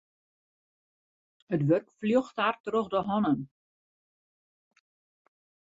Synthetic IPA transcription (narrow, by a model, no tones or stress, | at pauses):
ətʋørkfljoxthartroxdəɦɔnən